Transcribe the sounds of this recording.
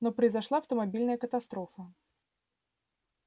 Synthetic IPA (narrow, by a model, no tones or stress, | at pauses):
nɔpɾəjzaʂlˠaːwt̪əmabʲilʲnəjəkət̪ast̪ɾɔfɐ